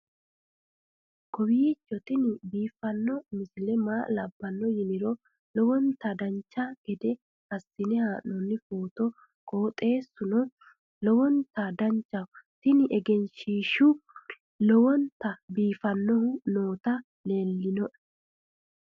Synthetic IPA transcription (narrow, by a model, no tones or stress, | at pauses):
kɔwit͡ʃːɔt̪ɪnɪbiːfɐnːɔmɪsɪlɛmaːlɐbːɐnːɔjɪnɪɾɔ | lɔwɔnt̪ɐd̪ɐnt͡ʃːaɡ̥ɛd̪ɛ | hɐsːɪnɛhaːnɔnːɪfoːt̪ɔ | kʼo̞ːt̪ʼe̞ːsːʊnɔ | lɔwɔnt̪ad̪ɐɲt͡ʃːɐt̪ɪnɪʔɛɡɛnʃiːʃʊ | lɔwɔnt̪ɐbiːfɐnːɔhʊno̞ːt̪ɐ | le̞ːlːɪnɔʔ